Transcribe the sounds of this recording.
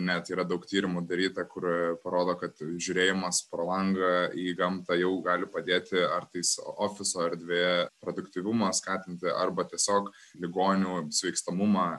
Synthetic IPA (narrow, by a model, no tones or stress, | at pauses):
nʲɛt̪iːɾɐd̪ɐʊkt̪ʲiːɾʲɪmʊd̪ɐɾʲiːt̪ɐkʊrpɐɾoːd̪oːkɐt̪ʒʲʊːɾʲeːjɪmɐspɾɐlˠɐŋɡɐiːɡɐmt̪ɐjɛʊɡɑːlʲɪpɐd̪ʲeːt̪ʲɪɐrt̪ɐɪsoːfʲɪsoːɛɾʲd̪ʲʋʲeːjɛpɾoːd̪ʊkt̪ʲiːʋʲʊmɐskɑːt̪ʲɪnʲt̪ʲɪʔɐrbɐtʲiɛsʲoːk | lʲɪɡoːnʲuːsʲʋʲɛɪkst̪ɐmʊmɑː